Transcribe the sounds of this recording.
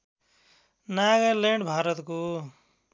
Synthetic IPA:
naɡʌɾleɳɖbʱaːɾʌt̪ku

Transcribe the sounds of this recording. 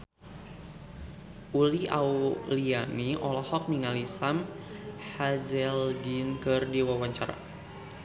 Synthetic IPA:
ʔuliʔa̰wlianiɔlɔhɔk̚niŋalisamhad͡ʒɛlɡinkɨrdiwawaɲt͡ʃaɾa̰

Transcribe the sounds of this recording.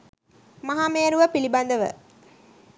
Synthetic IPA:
maɦaːmeːɾuʋəpiliband̪əʋə̰

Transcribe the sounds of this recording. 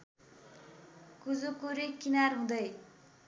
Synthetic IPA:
kud͡zukuɾikinarɦũd̪ʌj

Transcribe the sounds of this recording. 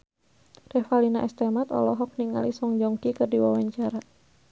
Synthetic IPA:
d̥ɛhfalinaʔɛst̪ɛmat̪ɔ̰lɔɦɔk̚niŋa̰lisɔŋd͡ʒɔŋkikərdiwawaɲt͡ʃaɾa

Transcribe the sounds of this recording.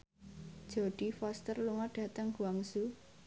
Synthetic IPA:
d̥ʒ̥o̤ɖ̥ifɔst̪ərluŋaɖ̥a̤t̪əŋɡ̥uaŋsu

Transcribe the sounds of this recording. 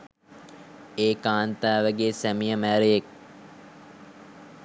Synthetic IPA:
eːkaːnt̪aːʋəɡeːsæmijəmæːɾejek̚

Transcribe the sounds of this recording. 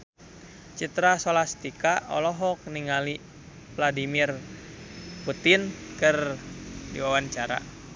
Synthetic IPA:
t͡ʃit̪ɾasolast̪ikaʔɔ̰lɔɦɔk̚niŋali | vladimir | put̪inkɨrdḭwawant͡ʃaɾa̰

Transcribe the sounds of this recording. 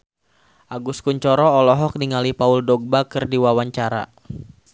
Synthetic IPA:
ʔaɡuskuɲt͡ʃɔɾɔːlɔɦɔk̚niŋalipauldɔɡ̚bakɨrdiwawaɲt͡ʃaɾa̰

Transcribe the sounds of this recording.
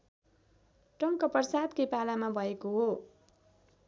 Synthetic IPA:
ʈʌŋkʌpʌrʌsad̪kepalamabʱʌekoɦo

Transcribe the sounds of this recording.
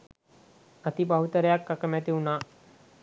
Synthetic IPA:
ət̪ibaɦut̪əɾjakːakəmjat̪iuna

